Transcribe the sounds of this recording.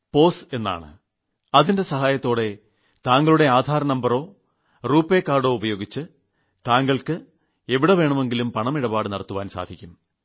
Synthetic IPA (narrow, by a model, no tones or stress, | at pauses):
po̞ːse̞nːa̰ːɳɨ̰ | ɐðinde̞sɐɦaːjɐt̪ːo̞ːɽe̞ | t̪aːŋɡɐɭuɽe̞aːd̪ʱaːɾɐnɐmbɐɾo̞ː | ruːpːe̞ːkːaːrɽo̞ːubɐjo̞ːɡit͡ɕːɨ | t̪aːŋɡɐɭkɨ | eʋiɽe̞ʋe̞ːɳɐme̞ŋɡilumpɐɳɐmiɽɐbaːɽɨnɐɽɐt̪ːuʋaːnsa̰ːd̪ʱikʲːum